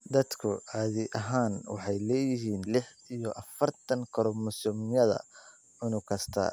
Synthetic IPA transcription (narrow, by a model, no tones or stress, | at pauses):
d̪ɐd̪kʰʊɑːðɪʔɐɦaːnwɑ̰ħɑjlɛːjɪɦiːnlɪħ | ijɔʔɐfɐrt̪ʰɐŋkʰɐɾɔmʊsʊmjɐðɐ̰ | ɪnʊkʰɐst̪ʰɐ̰